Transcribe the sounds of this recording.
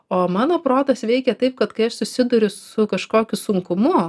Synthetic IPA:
oːmɑːnoːpɾoːt̪ɐsʋʲɛɪkʲɛt̪ɐɪp̚kɐt̪kɐɪɐʃsʊsʲɪd̪ʊɾʲʊsʊkɐʃkoːkʲʊsʊŋkʊmʊ

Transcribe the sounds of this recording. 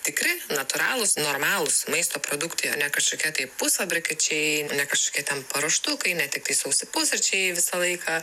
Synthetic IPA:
t̪ʲɪkɾʲɪnɐt̪ʊɾɑ̰ːlˠʊsnoːɾmɑːlˠʊsmɐɪst̪oːpɾoːd̪ʊkt̪ɐɪɐ̰ːnʲɛkɐʃkoːkʲiɛt̪ɐɪpʊsfɐbʲɾʲɪkʲɐt͡ʃʲɛɪːnʲɛkɐʃkoːkʲiɛt̪ʲɛnpɐɾɐʃt̪ʊkɐɪnʲɛt̪ʲɪkt̪ɐɪsɐʊsʲɪpʊsɐt͡ʃʲɛɪʋʲɪsɐlˠɐɪkɐː

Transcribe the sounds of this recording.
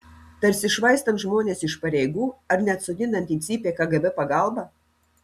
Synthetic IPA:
t̪ɐɾʲsʲɪʃʋɐɪst̪ɐnt̪ʒmoːnʲeːsɪʃpɐɾʲɛjɡuːɐɾnʲɛɐt̪sʊd̪ʲɪnd̪ɐnʲt̪ʲisʲiːpʲeːkɐɡɛbʲɛpɐɡɑlˠbɐ

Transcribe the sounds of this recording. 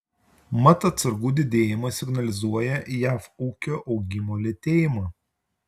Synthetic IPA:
mɐt̪ɐt̪sɐɾɡuːd̪ʲɪd̪ʲeːjɪmɐsʲɪɡnɐlʲɪzuɔjɛjæːfuːkʲoːʔɒʊɡʲɪmoːlʲɛt̪ʲeːjɪmɐː

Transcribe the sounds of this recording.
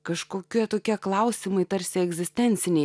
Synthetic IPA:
kɐʃkoːkʲiɛt̪oːkʲiɛklˠɐʊsʲimɐɪt̪ɐɾʲsʲɪɛɡzʲɪsʲt̪ʲɛnʲsʲɪnʲɛɪ

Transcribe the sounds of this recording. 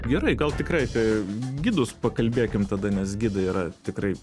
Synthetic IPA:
ɡʲɛɾɐɪɡɐlˠt̪ʲɪkrɐɪt̪ʲɐɡʲɪd̪ʊspɐkɐlʲbʲeːkʲɪmt̪ɐd̪ɐnʲɛsɡʲɪd̪ɐiːɾɐt̪ʲɪkɾɐɪ

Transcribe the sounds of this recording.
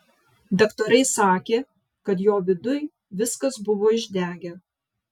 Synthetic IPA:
d̪ʲɐkt̪oːɾɐɪsɑːkʲeː | kɐt̪̬joːʋʲɪd̪ʊj | ʋʲɪskɐsbʊʋoːɪʒʲd̪ʲæːɡʲɛ

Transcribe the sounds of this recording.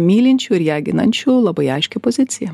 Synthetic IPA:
mʲiːlʲɪnʲt͡ʃʲuːɪɾjæːɡʲɪnɐnʲt͡ʃʲulˠɐbɐɪɐɪʃʲkʲɛpozʲɪt̪sʲɪjɛ

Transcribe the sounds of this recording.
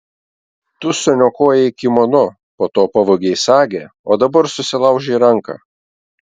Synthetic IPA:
t̪ʊsʊnʲokoːjɛɪkʲɪmɔnʊ | poːt̪oːpɐʋoɡʲɛɪsɑːɡʲeoːd̪ɐbɐɾsʊsʲɪlˠɐˑʊʒʲɛiɾɐŋkɑ̰

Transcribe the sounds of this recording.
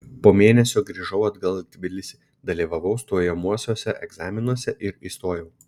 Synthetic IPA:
poːmʲeːnʲɛsʲoːɡɾʲiːʒɐʊɐd̪ɡɐlˠt̪ʲʋʲɪlʲɪsʲi | d̪ɐlʲiːʋɐʋɒʊst̪oːjɛmuɔsʲoːsʲɛʔɛɡzɑːmʲɪnuɔsʲɛʔɪɾist̪oːjɛʊ

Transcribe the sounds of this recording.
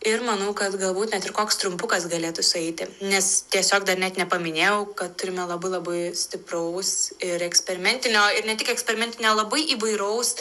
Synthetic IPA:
ɪrmɐnɐʊkɐt̪ɡɐlˠbuːt̪nʲɛt̪ɪɾkoːkst̪ɾʊmpʊkɐsɡɐlʲeːt̪ʊsʊɛɪt̪ʲɪnʲɛst̪ʲiɛsʲoːkd̪ɐɾnʲɛt̪nʲɛpɐmʲɪnʲeːjɛʊkɐt̪t̪ːʊɾʲɪmʲɛlˠɐbɐɪlˠɐbɐɪsʲt̪ʲɪprɐʊsɪɾɛksʲpʲɛɾʲɪmʲɛnʲt̪ʲɪnʲoːɪɾnʲɛt̪ʲɪkɛksʲpʲɛɾʲɪmʲɛnʲt̪ʲɪnʲoːlˠɐbɐɪʔiːʋɐɪɾɐʊs

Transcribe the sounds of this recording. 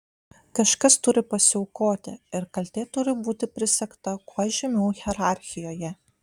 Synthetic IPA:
kɐʃkɐst̪ʊɾʲɪpɐsʲɪɔʊkoːt̪ʲɪɪɾkɐlʲt̪ʲeːt̪ʊɾʲɪbuːt̪ʲɪpʲɾʲɪsʲɛkt̪ɐkoɔʒʲɪmʲɛʊɣʲɛɾɑˑɾʲxʲɪjoːjɛ

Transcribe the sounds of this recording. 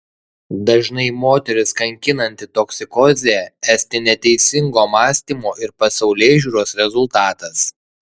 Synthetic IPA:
d̪ɐʒnɐɪmoːt̪ʲɛɾʲɪskɐŋʲkʲɪnɐnʲt̪ʲɪt̪oksʲɪkɔːzʲeɛæːsʲt̪ʲɪnʲɛt̪ʲɛɪsʲɪŋɡoːmɑːsʲt̪ʲiːmoːʔɪɾpɐsɐʊlʲeːʒʲuːɾoːsɾʲɛzʊlˠt̪ɑːt̪ɐs

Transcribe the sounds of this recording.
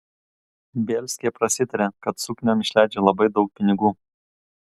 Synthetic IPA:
bʲɛːlʲsʲkʲɪjɛpɾɐsʲɪt̪ɐɾʲeːkɐt̪sʊknʲoːmɪʃʲlʲæˑɪd͡ʒʲeːlˠɐbɐɪd̪ɒʊk̚pʲɪnʲɪɡuː

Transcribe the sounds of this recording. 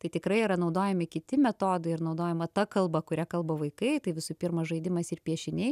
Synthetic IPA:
t̪ɐɪt̪ʲɪkɾɐɪiːɾɐnɐʊd̪oːjɛmʲɪkʲɪt̪ʲɪmʲɛt̪oːd̪ɐɪɪrnɐʊd̪oːjɛmɐt̪ɐkɐlˠbɐkʊɾʲækɐlˠbɐʋɐɪkɐɪt̪ɐɪʋʲɪsuːpʲɪrmɐsʒɐɪd̪ʲɪmɐsɪrpʲiɛʃʲɪnʲɛɪ

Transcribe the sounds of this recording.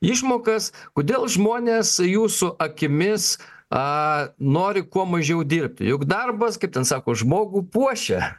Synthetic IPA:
ɪʃmoːkɐskoːd̪ʲeːlˠʒmoːnʲeːsjuːsʊʔɐkʲɪmʲɪsɐnoːɾʲɪkuɔmɐʒʲɛʊd̪ʲiːrʲp̚ʲt̪ʲɪ̰jʊkd̪ɐrbɐskɐɪp̚t̪ʲɛnsɑːkoːʒmoːɡuːpuɔʃʲɛ

